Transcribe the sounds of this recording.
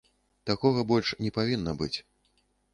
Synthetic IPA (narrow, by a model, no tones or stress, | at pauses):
t̪akɔɣɐbɔlʲʂnʲɛpavʲinːɐbɨt͡sʲ